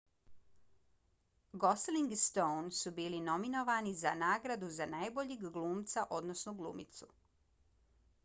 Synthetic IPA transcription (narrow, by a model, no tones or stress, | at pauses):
ɡosliŋɡst̪ownsubiːlino̞mino̞ʋanizanaːɡɾad̪uzanajbo̞ʎiɡɡlˠuːmt̪saʔo̞d̪no̞snoɡlˠṵːmḭt̪su